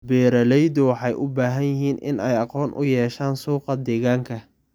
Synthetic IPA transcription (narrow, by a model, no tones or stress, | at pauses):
bɛːɾɐlɛjd̪ʊwɑħɑjʔʊbaːɦɐnjɪɦiːnɪ̰nɛjɑqɔːnʔʊ̰jɛːʃaːnsuːqɐd̪ɛːɣaːŋkʰɐ